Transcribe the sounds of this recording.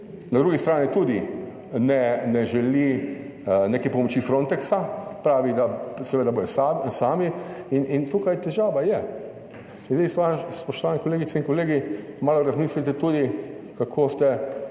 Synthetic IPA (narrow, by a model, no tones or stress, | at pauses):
nad̪ɾuɡist̪ɾaːnit̪ud̪i | nɛnɛʒɛli | nekɛpɔmɔt͡ʃifɾõnt̪ɛksapɾaːʋid̪asɛʋeːd̪aboːjɔsasaːmiinint̪uːkajt̪ɛʒaːʋajɛ | inzist̪ʋaspɔʃt̪ɔʋaːnɛkɔleːɡit̪sɛinkɔleːɡimaːlɔɾazmiːslit̪ɛt̪uːd̪ikakʰoːst̪ɛ